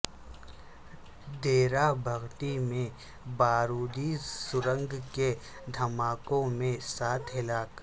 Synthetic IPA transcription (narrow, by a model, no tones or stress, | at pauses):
d̪eːɾabʱɐɣt̪imẽ | baːɾuːd̪isʊɾə̃ŋɡke | d̪ʱɐmaːkõmẽsaːt̪ʰɦɪlaːk